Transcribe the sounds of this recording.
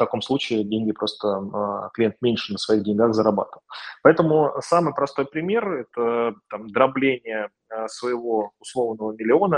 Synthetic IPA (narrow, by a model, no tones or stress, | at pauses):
t̪ɐko̞mslˠut͡ɕɪɪdʲenʲɡʲɪpɾʔo̞st̪əklʲɪjent̪̚mʲenʲʂɨnəsvɐiɣdʲɪnʲɡaɣzəɾɐba̰t̪əvəlˠpɐɛt̪əmʊsamɨjpɾɐst̪o̞jpɾʲɪmʲe̞rɛt̪ət̪amd̪ɾɐblʲenʲɪjə | svəjɪvo̞ʊslˠo̞vnəvəmʲɪlʲɪo̞nə